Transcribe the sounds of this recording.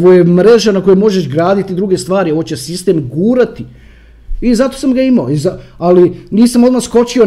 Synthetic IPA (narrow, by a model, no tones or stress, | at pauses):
ʋojemɾe̞ʒanakojumo̞ʒeʃɡɾaːd̪it̪id̪ɾuɡe̞st̪ʋaːɾio̞ʋot͡ɕesist̪e̞mɡuːɾat̪i | izat̪o̞samɡaimaoizaaliniːsamo̞d̪masko̞t͡ɕio